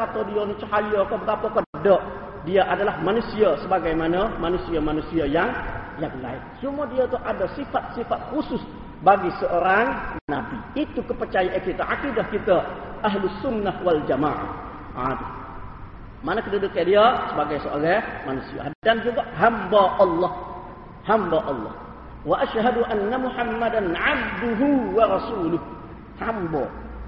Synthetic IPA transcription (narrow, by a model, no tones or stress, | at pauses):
at̪adianit͡ʃəɦajokabəɡapakɔdadɔʔ | diaʔadalahmanusiasəbaɡajmanamanusiamanusiajaŋjaŋla̰ɪk̚t͡ʃumadiat̪uʔadasifat̪̚sifat̪̚husʊs | baɡisəʔoɾaŋnabiit̪ukəpərt͡ʃajaʔakit̪aʔakidahkit̪aaɦlʊsːʊnːahwald͡ʒamaːʕa̰ | ʔa̰du | manakədudukadiasəbaɡajsəʔoɣɛmanusia̰ɦdand͡ʒuɡaɦambaʔɑlːɔh | hambaʔɑlːɑ̰h | waʔaʃɦaduʔanːamuħamːadanʕab̚d̪ʊɦuwaɾɑsuːlʊh | hambɔ̰